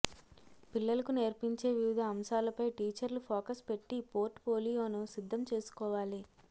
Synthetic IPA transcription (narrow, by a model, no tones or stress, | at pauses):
pilːɐlɐkune̞ːɾpiɲt͡ʃe̞ːʋiʋid̪ʱɐːmʃaːlɐpɐjʈiːt͡ʃɐɾlupʰoːkɐspe̞ʈːipo̞ːɾʈpoːlijo̞ːnusid̪ʱːɐmt͡ʃe̞ːsu̥kɔːʋaːli